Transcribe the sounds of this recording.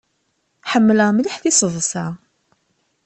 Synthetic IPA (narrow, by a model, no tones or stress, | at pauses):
ħəmːləmliħθisˤəðˤsa